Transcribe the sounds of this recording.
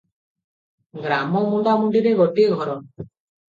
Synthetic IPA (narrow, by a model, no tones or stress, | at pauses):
ɡɾamɔmudamuɳɖiɾeɡɔʈiɡʱɔɾɔn